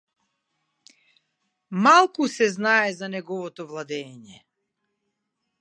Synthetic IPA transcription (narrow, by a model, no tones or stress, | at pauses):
malˠkusɛznaɛzanɛɡɔvɔt̪ɔvlˠad̪ɛːɲɛ